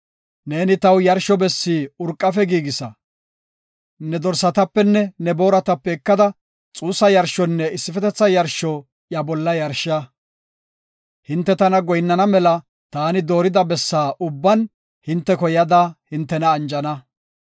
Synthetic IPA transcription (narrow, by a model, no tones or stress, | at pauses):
ne̞ːnɪt̪ɐwjɐɾʃɔbɛsːiːʊɾkʼːɐfɛɡiːɡɪsɐ | nɛd̪ɔɾsːɐt̪ɐpːɛnːɛnɛbo̞ːɾɐt̪ɐpːɛɪkːɐd̪ɐ | t͡sʼuːsːɐjɐɾʃɔnːɛɪsːɪfɛt̪ɛt͡sːɐjɐɾʃɔ | jɐbɔlːɐjɐɾʃa | hɪnt̪ːɛt̪ɐnɐɡɔjnːɐnɐmɛlɐ | t̪aːnɪd̪o̞ːɾɪd̪ɐbɛsːaːʔʊbːɐn | hɪnt̪ːɛkɔjɐd̪ahɪnt̪ːɛnɐːnd͡ʒɐnɐ